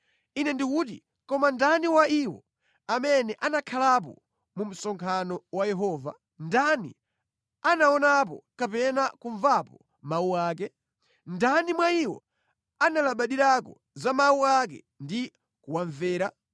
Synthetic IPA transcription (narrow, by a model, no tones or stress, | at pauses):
inɛndikuːtḭ | kɔmandaniwaiwɔ̰ | amɛnɛʔanakʰalap̬ɔ̰ | mum̩sɔŋkʰanɔwajɛɦɔːva̰ | ndanḭ | anaɔnap̬ɔ̰kapɛnakuɱvapɔ | mawuaːkɛ | ndanimwaiwɔ̰ | analaɓaɗiɾakɔ̰ | zamawuak̬ɛ̰ | ndi | kuwaɱvɛːɾa